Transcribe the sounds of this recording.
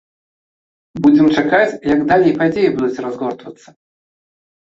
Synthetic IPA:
bud͡zʲɛmt͡ʂakat͡sʲjɐɡd̪alʲɛjpad͡zʲejibud̪ut͡sʲrazɣɔrt̪vɐt̪sːɐ̥

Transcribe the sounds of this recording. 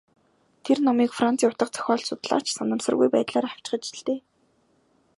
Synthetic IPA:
t̪ʰernɔmiːkfran̥t͡siːʊt̪ə̆qt͡sʰœ̥xʲɔːɮsʊt̪ɮa̰ːt͡ɕsanə̆msə̆rɣujpæ̰ːt̪ɮaːɾaw̥t͡ɕ̆χə̆t͡ɕ̆ɮt̪eː

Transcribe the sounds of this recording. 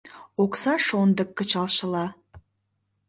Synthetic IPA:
oksɑʃond̪əkːə̆t͡ʃɑlˠʃɤ̆lˠɑ

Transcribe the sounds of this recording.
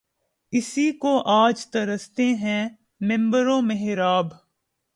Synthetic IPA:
ɪsikoʔaːd͡ʒt̪ɐɾəst̪eɦɛ̃ | mɪ̃mbəɾõmeɦɪɾaːb

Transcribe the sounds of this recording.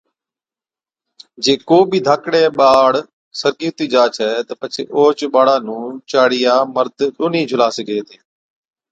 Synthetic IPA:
d͡ʒeːkoːbʱid̪ʱaːkɽeːɓaːɽ | səɾɡiːt̪iːd͡ʒaːt͡ʃʰɛːt̪əpət͡ʃʰeːʔoːt͡ʃɓaːɽaːnũːt͡ʃaːɽɪjaːməɾd̪ɗʊːnĩːd͡ʒʱʊlaːseɡeːt̪eː

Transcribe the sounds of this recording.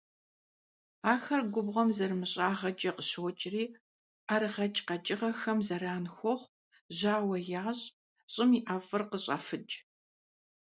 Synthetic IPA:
aːxɐrɡʷʊbʁɐmzɐrmɨɕʼaːʁɐd͡ʒʼɐqəɕowt͡ʃʼriː | ʔaɾɨʁɐt͡ʃʼqɐt͡ʃʼɪʁɐxɐmzɐɾaːnxʷɔχʷ | ʑaːwɐjaːɕʼ | ɕʼɪmiʔafɨrqəɕʼa̰fɨd͡ʒʼ

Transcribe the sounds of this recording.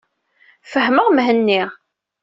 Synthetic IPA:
fəɦməʁmɦənːiʁ

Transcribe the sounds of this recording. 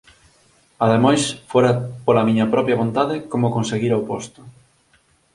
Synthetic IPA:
ɐðemajsfoɾɐpolɐmiɲɐpɾɔpjɐβ̞ont̪aðɪkomʊkonseɣiɾɐopost̪ʊ̥

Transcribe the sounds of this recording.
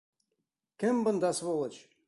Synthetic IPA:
kʲɘmbɤ̆nd̪ɑsβolˠɤ̆t͡ɕ

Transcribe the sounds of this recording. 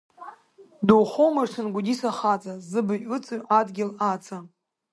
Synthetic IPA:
duwχowmarsɨnɡʷʊdisaχat͡sʼazɨbɨʊt͡sʼɨɥʔadɡʲɪlat͡sʰa

